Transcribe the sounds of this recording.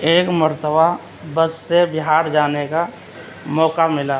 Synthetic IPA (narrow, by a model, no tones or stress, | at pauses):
eːkməɾt̪ʰəba | bəsːebɪɦaːɾd͡ʒaːneka | mɔːkamɪlaː